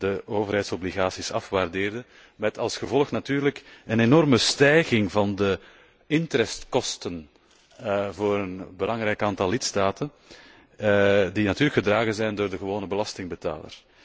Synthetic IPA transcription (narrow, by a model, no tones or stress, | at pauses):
d̥əoːvərɦɛjtsɔbliɣaːsisɑ̰fʋardeːrdə | mɛtɑlˠsxəvɔlˠəxnatyːrləkənenɔrməstɛjɣɪŋvɑndə | ɪntɾɛstkɔstən | voːɾənbəlɑŋɾɛjkaːntɑlˠːɪtstaːtən | dinɑtyːɾrəkxədraːɣənzɛjndoːrdəɣəʋoːnəbəlɑstɪŋbəta̰ːlə̰r